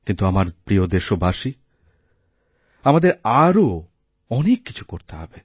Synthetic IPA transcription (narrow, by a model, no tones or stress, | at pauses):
kint̪uamaɾpɾiod̪eʃobaʃi | amad̪eɾaɾo | ɔnekːi̥t͡ɕʰu̥koɾt̪eɦɔbe